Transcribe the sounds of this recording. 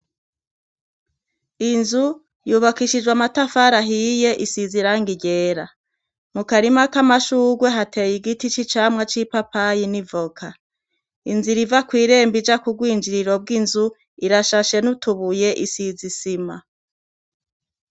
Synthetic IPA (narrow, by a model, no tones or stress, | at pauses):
inzu | juːβakiʃid͡ʒwamatafaɾaɦije̞ʔisiziɾaːŋɡiɟe̞ːɾa | mukaɾimakamaʃuːɡwe̞ɦate̞ːjiɡitit͡ʃit͡ʃamŋat͡ʃipapajinivokʰa | inziɾivakwiːɾe̞ːmbid͡ʒakub̚ɡwiːnd͡ʒiɾiɾo̞b̚ɡinzu | iɾaʃaʃe̞nutuβuje̞ʔisizisima